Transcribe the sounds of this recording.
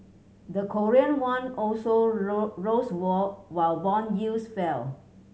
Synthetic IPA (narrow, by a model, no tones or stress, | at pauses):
dəkʰɔɹiə̃nwãnɔlsoɹoswɔwaɪlbɔ̃njilsfɛl